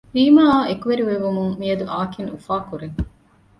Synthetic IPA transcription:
ɾiːmaːekuʋeɾiʋeʋumuŋmiɐd̪uʔaːkinufaːkuɾeŋ

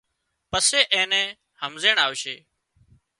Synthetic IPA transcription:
pəseːʔẽːnɛ̃ː | həmzeːɳaːʋʃeː

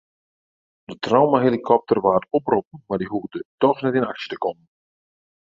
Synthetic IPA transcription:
d̥ətʰrawmaɦelikʰɔp̚tʰərʋaːtopropən̩mardiɦuədətɔxnɛtɪnaksə̥tə̥kɔmən

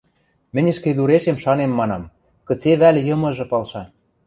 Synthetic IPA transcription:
mɘ̆nʲɘ̆ʃked̪uɾeʃemʃɑnemːɑnɑm | kɤ̆t͡seβælʲjɤ̆mɤ̆ʒɤ̆pɑlʃɑ

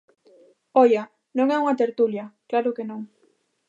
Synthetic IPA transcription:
ɔjɐ | nõŋɛuŋɐt̪eɾt̪uljɐklaɾʊkenõŋ

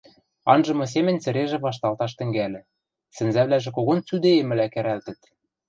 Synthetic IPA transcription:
ɑnʒɤ̆mŏs̬emɘ̆nʲt͡sɘ̆ɾeʒĕβɑʃt̪ɑlt̪ɑʃt̪ɘ̆ŋɡælʲɘ̆ | sɘ̆nzæβlæʒĕkoɣont͡syd̪eemɘ̆lækæ̆ɾælt̪ɘ̆t̪

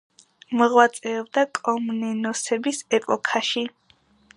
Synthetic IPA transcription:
mɔʁwat̪sʼɛɔbd̪akʼɔmnɛnɔsɛbisɛpʼɔkʰaʃi

